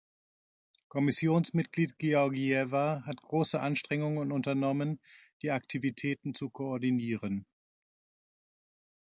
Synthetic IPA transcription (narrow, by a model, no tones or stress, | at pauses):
kʰɔmɪsjoːnsmɪt̚ɡ̥liːtɡ̥eɔɐɡiɛvaɦatɡ̥ʁoːsəʔanʃtʁ̥ɛŋʊŋənʊntɐnɔmənd̥iːaktʰivitʰɛːtn̩t͡sukʰoɔɐdiniːʁən